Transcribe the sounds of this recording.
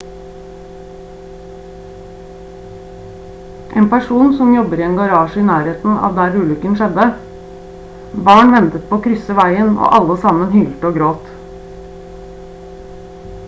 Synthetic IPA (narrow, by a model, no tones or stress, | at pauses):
ʔeːnpæʂuːnsɔmjɔbəɾɪːeːnɡɑɾɑːʃiːnæːɾeːt̪n̩ɑ̰ːʋd̪æːɾʉːlʏkənʃɛd̪ə | bɑːɳʋɛnt̪ət̪̚pʰoːkʰɾʏsəʋæɪəno̰ːʔɑləsɑmənhyːlt̪əoːɡɾoːt̪